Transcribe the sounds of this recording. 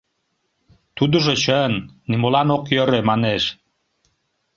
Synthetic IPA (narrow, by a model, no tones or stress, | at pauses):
t̪ud̪əʒot͡ɕənːimolɑnokjəɾemɑneʃ